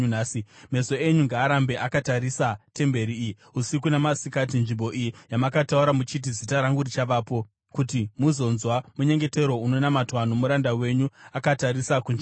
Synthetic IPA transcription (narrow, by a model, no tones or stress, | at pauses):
naːsime̞so̞e̞ɲuŋɡaːɾambe̞ʔakataɾisate̞mbe̞ɾiːji | usikunamasikat̬inʐimbo̞ʔijijamakatauɾamut͡ʃit̬izitaɾaŋɡuɾit͡ʃaʋaːpo̞ | kutimuzo̞nzwamuɲe̞ŋɡe̞te̞ɾo̞uno̞namatwan̤omuɾandawe̞ɲuakataɾisakunʐi